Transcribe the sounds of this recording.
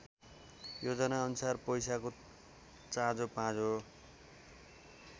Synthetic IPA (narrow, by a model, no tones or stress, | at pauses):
jod͡zʌnaʌnusarpʌjsako | t͡sãd͡zopãd͡zo